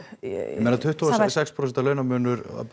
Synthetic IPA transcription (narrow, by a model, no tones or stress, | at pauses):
ɛmeːnat̪ʰʏht̪ʰusɛkspʰɾosɛnt̪alœːɥnamʏːnʏɾa̰